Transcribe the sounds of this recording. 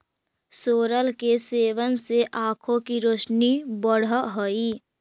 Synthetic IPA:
soːɾəlkeseːʋənseʔãːkʰõkiɾoːt͡ʃnibəɽ̤ɦoiː

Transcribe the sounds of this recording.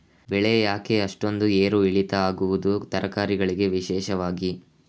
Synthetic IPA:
bɛɭɛjɐjaːkeɐʂʈo̞nd̪ueːɾuiɭit̪ɐaːɡuʋud̪ut̪ɐɾɐkaːɾiɡɐɭiɡe̞ʋiʃɛːʃɐʋaːɡi

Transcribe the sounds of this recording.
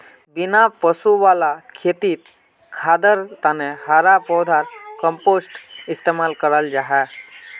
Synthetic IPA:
bɪnapəsuʋaːlakʰeːt̪iːt̪ | kʰaːd̪əɾt̪aneɦaːɾapɔːd̪ʱaːɾkə̃mpoːsʈɪst̪eːmaːlkəɾəld͡ʒaːɦɛː

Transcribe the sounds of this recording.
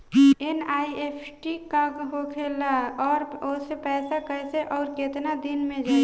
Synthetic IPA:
enaiepʰʈikaɡɦokʰelaɔːɾosepɛsakəjseʔɔːɾket̪nad̪inmẽd͡ʒa

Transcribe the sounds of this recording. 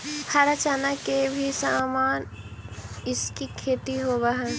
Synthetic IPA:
hɐɾɐt͡ʃaːnəkkːebʱisaːmaːn | ɪskikʰeːt̪iɦoːbaɦɛ̃

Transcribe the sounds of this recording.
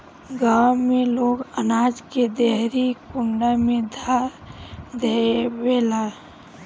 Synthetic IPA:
ɡawmẽloːɡənaːd͡ʒked̪eɦɾikʊɳɖamẽd̪ʱa | d̪eweːla

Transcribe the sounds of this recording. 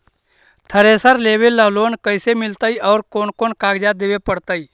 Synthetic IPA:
t̪ʰəɾesəɾleːʋelːəɦloːnkəɪsemɪlt̪əiʔɔːɾkoːnkoːnkaːɡd͡ʒad̪eːʋepəɽt̪əi

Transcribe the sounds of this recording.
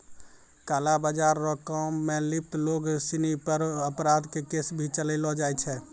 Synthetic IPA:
kaːlabad͡ʒaːɾːɔkɔmːẽlɪp̚ʰt̪loːɡsinipəɾəpɾaːd̪kekeːsbʱit͡ʃəlelɔd͡ʒaːɛt͡ʃʰɛː

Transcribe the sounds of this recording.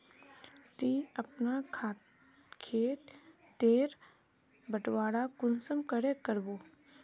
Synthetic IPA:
t̪iɐpnakʰa | kʰeːt̪ | t̪eːɾ | bəʈwaːɽakʊnsəmkəɾekəɾboː

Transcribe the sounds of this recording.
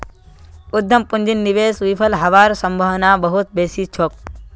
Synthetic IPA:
ʊd̪ʱːɐmpunʲd͡ʒinːiʋeːsʋipʰɐlɦɐʋaːɾsɐmbʱɐʋnaːbɐɦut̪̚beːsiːt͡ʃʰoːk̚

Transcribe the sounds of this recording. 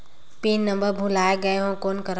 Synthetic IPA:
piːnːɐ̃mbəɾbʱulaːeɡɐeɦõkoːnkɐɾ

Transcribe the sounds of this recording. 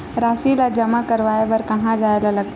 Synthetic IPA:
ɾaːsilad͡ʒəmakəɾʋaːebɐɾkɐɦãd͡ʒaːelaləɡ̚t̪

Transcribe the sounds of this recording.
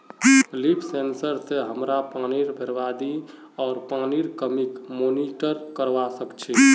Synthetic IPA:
lipʰsensəɾseɦəmɾapaniɾbʱeɾʋad̪i | ɔːɾpaniɾkəmikmoniʈəɾkəɾʋasəkt͡ʃʰi

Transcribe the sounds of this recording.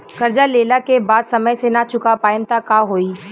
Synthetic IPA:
kɐɾd͡ʒaleːlakebaːd̪sɐməjsenat͡ʃʊkapaːjɪmt̪akaɦoːiː

